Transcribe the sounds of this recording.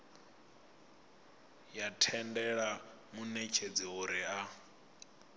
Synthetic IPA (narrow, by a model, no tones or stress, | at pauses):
jatʰɛndɛɺa | munɛt͡ʃʰed͡ziɦuɾia